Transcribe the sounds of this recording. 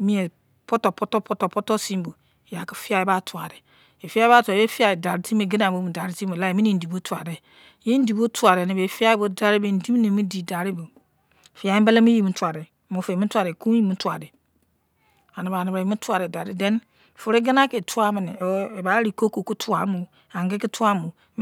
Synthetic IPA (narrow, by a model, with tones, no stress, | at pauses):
mĩ˦e˨ | po˦to˨po˦to˦po˦to˨po˦to˦si˦m˦bo˨ | ja˨ki̥˦fi˦a˦i˦ba˦tu˨a˨ɾe˨ | e˨fi˦a˦ba˦tu˨a˨˦e˦fi˦a˨da˨ɾti˦m˦e˦ɡi˦na˨bo˦mu˨da˨ɾi˦ti˦o˨la˦e˨mi˦ni˨n̩˨di˨bo˦ta˨de˨ | je˦n̩˦di˨bo˦tu˦a˨ɾe˨ni˨be˨fi˦a˦bo˦da˨ɾi˦be˨n̩˨di˦m˦ne˨mi˦di˨da˨ɾi˦bo˨ | fi˨˦a˦i˦mbe˦le˦mi˦ji˦mu˦tu˨a˨ɾe˨mo˨fe˨mi˦tu˦a˨ɾe˨ku˦ji˦mu˦tu˦a˨de˨ | a˨ni˨ba˨ni˨bɾe˨mi˦tu˦a˨ɾe˨da˨ɾi˦de˦n˨ | fu˨ɾe˦ɡi˦na˦ke˨tʰu˦a˦mi˨ni˨˦e˨ba˦ɾi˨ko˦ko˨ku˦tʰu˦a˨˦mu˨ | a˨ŋɡe˦ki˦tu˦a˦mu˨